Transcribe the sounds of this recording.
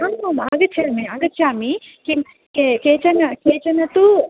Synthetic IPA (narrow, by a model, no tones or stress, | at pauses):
amɐmaːɡɐt͡ʃʰːaːmiaːɡɐt͡ʃʰːjaːmikim | kekeːt͡ʃɐnɐkeːt͡ʃɐnɐt̪u